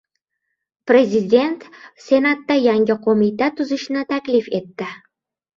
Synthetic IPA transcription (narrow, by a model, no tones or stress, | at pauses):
pɾe̞zid̪ʲe̞nt̪se̞nat̪ːajaŋʲɪqʰomit̪at̪ʰʊzɪʃnɪt̪ʰakʲlife̞t̪ːɪ